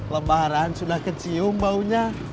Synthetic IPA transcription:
ləbaɾansunahkət͡ʃiumbauɲa

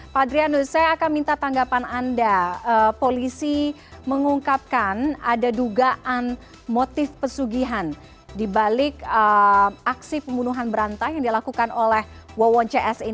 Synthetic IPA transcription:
padɾianusajaːkanmint̪at̪aŋɡapanandaəpolisi | məŋuŋkap̚kanadaduɡaʔan | mot̪ɪfpəsuɡiɦan | dibalɪkəaksipəmbunuɦanbəɾant̪ajaŋdilakukanolɛhwɔwɔɲt͡ʃɛʔɛsi

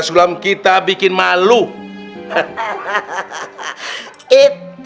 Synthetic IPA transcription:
sulamkit̪abikɪnmalu | it̪

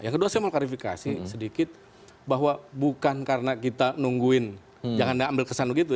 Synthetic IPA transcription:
jaŋkəduasajamalklaɾifika̰sisədikɪt̪̚ | baɦwabukankaɾənakit̪anuŋɡuɪn | d͡ʒaŋandiambɪlkəsanbəɡit̪̬u

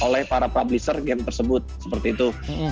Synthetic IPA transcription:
olɛhpaɾapɾablisərɡɛmt̪ərsəbʊt̪̚sə̥pərt̪iːt̪u

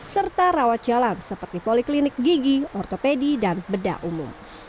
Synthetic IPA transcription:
sərt̪arawat̪̚d͡ʒalansəpərt̪ipoliklinɪk̚ɡiɡiɔrt̪opedidanbəda̰ʔumʊ̰m

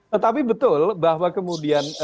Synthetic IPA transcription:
t̪ət̪apibət̪ʊlbahwakəmudian

